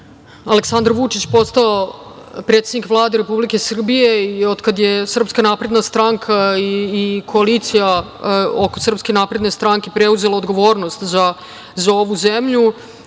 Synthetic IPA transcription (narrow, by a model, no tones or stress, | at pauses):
aleksand̪ɾʋut͡ʂit͡ɕpo̞st̪aopɾe̞t̪sed̪nikʋlˠaːd̪eɾepublike̞sr̩bije̞iod̪kad̪jesr̩pskanapɾe̞d̪nast̪ɾaŋkʰaiːkʰo̞alit̪sija | okosr̩pskenapɾe̞d̪ne̞st̪ɾaŋkepɾeuze̞laod̪ɡo̞ʋo̞ːɾnost̪za | zao̞ʋuzemʎu